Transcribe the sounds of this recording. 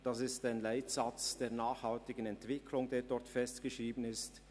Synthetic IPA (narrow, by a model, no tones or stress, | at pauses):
d̥asɪstaɪnlaɪtsat͡sd̥eːɐnaːxhaltɪɡənɛntv̥ɪkʰlʊŋdeːɾdɔɾtfɛstɡ̥əʃʁiːbən̩ɪst